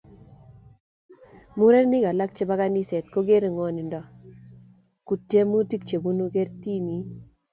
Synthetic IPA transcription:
mu˦ɾɛ˦ni˦ɡa˨la˦k̚t͡ʃe˦ba˦ka˦ni˦sɛ˨tko˦ɡe˦ɾe˨ŋɔ˨ni˨ndɔ˨ | ku˨tːje˦mu˦ti˦k̚t͡ʃe˨bu˦nu˦ke˦ɾti˦ni˨˦

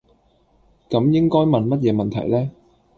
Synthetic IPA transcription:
kɐ˨˥mjɪ˥ŋkɔː˥jmɐ˨nmɐ˥t̚jɛː˨˧mɐ˨nt̪ʰɐ˨˩jlɛː˥

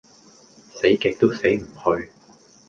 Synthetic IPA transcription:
se˨˥jkɛː˨˧k̚t̪o˥wse˨˥jm̩˨˩hɵ˧ɥ

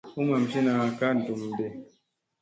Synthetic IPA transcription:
u˦ma˨m˨si˦na˨ka˦n̩˨tu˨mde˨

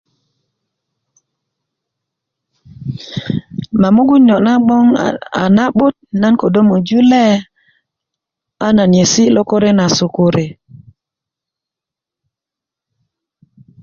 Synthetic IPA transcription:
ma˨mu˦ɡu˦ɲo˨ʔna˦ɓo˦ŋa̰˨na˦ɓu˦t̚na˦nko˨do˦mu˨d͡ʒu˦le˦ | a˦na˨n˨e˨si˦lo˦ko˦ɾe˦na˨su˨ko˦ɾe˨

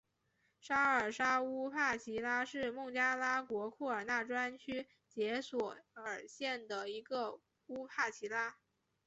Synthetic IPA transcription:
ʂa˥ə˞˨˩ʂa˥u˥pʰa˥˩t͡ɕʰi˧˥la˥ʂɻ̩˥˧mʊ˥˩ŋt͡ɕja˥la˥kwɔ˧˥kʰu˥˩ə˞˨˩na˥˩ʈ͡ʂwa˥nt͡ɕʰy˥ | t͡ɕjɛ˧˥swɔ˨˩ə˞˨˩ɕjɛ˥˩nd̪ə˩i˧˥ɡə˧ | u˥pʰa˥˩t͡ɕʰi˧˥la˥

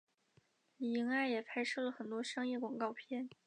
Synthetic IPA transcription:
li˨˩i˧˥ŋa˥˩ɪjɛ˨˩pʰa˥ɪʂɤ˥˩lə˩xə˨˩nt̪wɔ˥ʂɑ˥ŋjɛ˥˩kwɑ˨˩ŋkɑ˥˧ʊpʰjɛ˥n

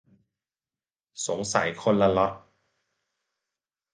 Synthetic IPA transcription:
so˨˩˦ŋsa̰˨˩˦jkʰo˧nla˧lɔ˦˥t̚

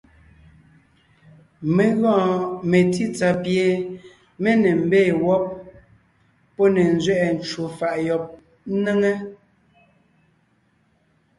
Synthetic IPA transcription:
me˨ɣɔ̃˦˨me˨ti˦t͡sa˨pje˨ | me˦ne˨m̩˦˨beː˦˨wɔ˦p̚ | ɔ˦ne˨n˦zɥɛ˦ʔɛ˨n˨t͡ʃwo˨fa˨ʔjɔ˨p̚ | ne˦ŋe˦

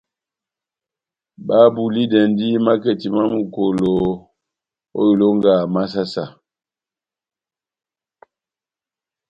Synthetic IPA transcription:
ba˦bu˨li˦dɛ˨ndi˦ma˦ke˨ti˨ma˦mu˨ko˨lo˨ | o̰˦ju˨lo˦ŋɡa˨ma˦s̬a˦sa˨

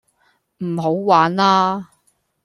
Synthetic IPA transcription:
m̩˨˩ɦo˨˥wwaː˨˥nlaː˥

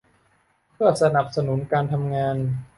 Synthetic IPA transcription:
pʰɯ˥˩ɐsa˧na˨˩p̚sa˧nu˩˦nkaː˧nt̪ʰa˧mŋaː˧n

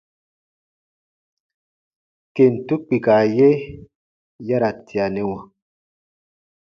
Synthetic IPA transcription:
ke˨n̩˨tu˦k͡pi˨ka˨je˦ | ja˦ɾa˨ti˨a˨ne˨˦wa˨

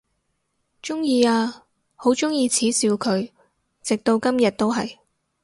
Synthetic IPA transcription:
t͡ʃʊ˥ŋjiː˧aː˧ | ho˨˥wt͡ʃʊ˥ŋjiː˧t͡sʰiː˨˥siː˧wkʰɵ˨˧ɥ | t͡sɪ˨k̚t̪o˧wkɐ˥mjɐ˨t̚t̪o˥wɦɐ̰˨j

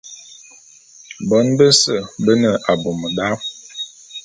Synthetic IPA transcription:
bɔ˦nbə˦sə˦˨bə˦nə˨ʔa˨bo˨mə˨da˦

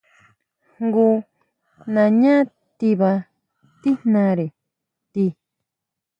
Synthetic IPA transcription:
ŋɡu˧ | nã˧˨ɲã˦ | t̪i˧βa˧ | t̪i˦nã˧ɾe˨ | t̪i˧

